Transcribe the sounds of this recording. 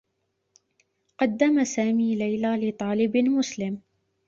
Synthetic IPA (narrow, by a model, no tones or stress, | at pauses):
qɑd̪ːamasaːmiːlajlaːlɪt̪ˤɑːlɪbmʊslɪm